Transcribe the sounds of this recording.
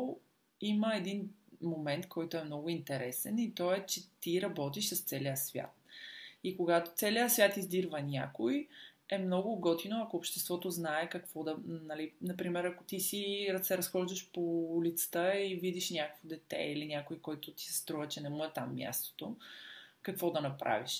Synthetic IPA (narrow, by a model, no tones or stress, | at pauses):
iməɛd̪inmomɛnt̪kʰɔjt̪oɛmnɔɡʊint̪ɛɾɛsɛnit̪ɔɛt͡ʃɛt̪iɾɐbɔt̪iʃsəst̪sɛliəsvʲja̰t̪̚ikoɡat̪o̥t̪sɛliəsvʲjat̪izd̪iɾvɐnʲa̰koj | ɛmnɔɡʊɡɔt̪inoɐkoːpʃt̪ɛst̪vɔt̪oznaɛkɐkvɔd̪ɐnɐlinɐpɾimɛɾɐkot̪isiɾsɛɾɐsxɔʒd̪əʃpolit̪sə̥t̪əivid̪iʃnʲakəkvod̪ɛt̪ɛ̰ilinʲjakʊjkɔjt̪ʊt̪i̥sɛst̪ɾuvət͡ʃɛnɛmuɛt̪amːʲja̰st̪o̥t̪o | kɐkvɔd̪ɐnɐpɾa̰viʃ